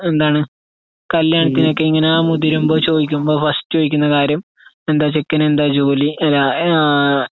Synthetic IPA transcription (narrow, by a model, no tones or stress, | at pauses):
e̞nd̪aːɳɨ | kɐljaːɳɐt̪ːino̞kːe̞iŋːɐneaːmuðiɾumbo̞ːt͡ɕo̞ːd̪ikʲːumbo̞ːfɐsʈɨt͡ɕo̞ːðikʲːunːɐkaːɾjɐm | e̞nd̪aːt͡ɕe̞kːɐnend̪aːd͡ʑo̞ːliɐlːa